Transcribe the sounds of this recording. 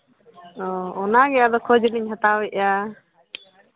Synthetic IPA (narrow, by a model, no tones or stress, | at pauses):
ɔɔnaɡɛjad̪ɔkʰɔd͡ʒliɲɦat̪awɛʔja